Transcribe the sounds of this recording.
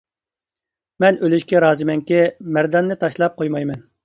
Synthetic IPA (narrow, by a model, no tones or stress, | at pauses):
mɛnølyʃkʲɛɾɑːzɨmɛŋkʲɛmæɾd̪ɑnːɨt̪ʰɑʃlˠɑp̚qʰojmɑjmɛn